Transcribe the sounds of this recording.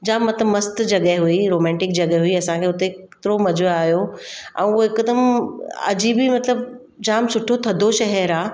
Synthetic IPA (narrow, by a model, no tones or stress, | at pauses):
d͡ʑaːmɐt̪əmɐst̪d͡ʑɐɠəɦɦuiɾoːmɛ̃ːɳʈɪk̚d͡ʑɐɠəɦuiɐsãkʰeːʊt̪ekt̪ɪɾomɐd͡ʑʱoaːɦijoɛ̰̃ːʊɦoɪkəd̪əmɐ̰d͡ʑiːbimɐt̪ləb | d͡ʑaːmsʊʈʰot̪ʰɐd̪ʱoʃɐɦɛɾaː